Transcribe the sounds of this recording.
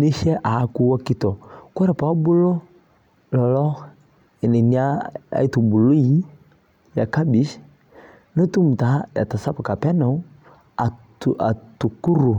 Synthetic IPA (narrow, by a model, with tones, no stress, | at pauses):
ni˦ʃɛ˦ʔa˨˦ku˦wa˦ki˦tɔ˨kɔ˦ɾa˨pa˨˦bu˦lɔ˦ | lɔ˨lɔ˦ | ɛ˨nɛ˨ni˦a˦a̰˨i˦tu˨bu˨lu˦i˦ | ja̰˨ka˦bi˨˦ʃ | no˦tu˦m̩˨ta˨˦ja̰˨ta˨sa˦pa˨ka˨pɛ˦na˨u˦ | a˨tʔa̰˨tu˨ku˦ɾu˨